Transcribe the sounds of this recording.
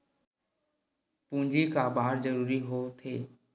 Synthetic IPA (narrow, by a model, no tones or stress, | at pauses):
pũːɲd͡ʑikaːbaːəɾzəɾuːɾiɦoːt̪ʰeː